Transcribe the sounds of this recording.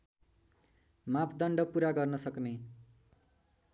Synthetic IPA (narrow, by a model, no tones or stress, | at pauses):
mapʰd̪ʌɳɖʌpuɾaɡʌrnʌsʌkne